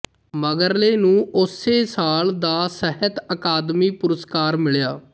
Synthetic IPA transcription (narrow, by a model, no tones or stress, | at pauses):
məɡəɾleːnũːʊseːsaːld̪aːsəɦət̪əkaːd̪miːpʊɾəskaːɾmɪɭjaː